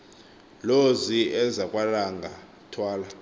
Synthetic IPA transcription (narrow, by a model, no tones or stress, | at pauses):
loziɛzakʼwalaŋɡʱa | tʰwaːla